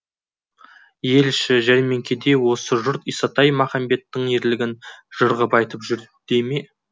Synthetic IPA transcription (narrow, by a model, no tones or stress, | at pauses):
je̞lʃɪʒæɾme̞ŋkʲe̞d̪e̞wo̞səʒʊɾt̪isɑt̪ɑjmɑχɑmbe̞t̪ːɪɴeɾlɪɡʲɪnʒ̥ʊɾʁəpɑjt̪əpʒʏɾd̪̥eme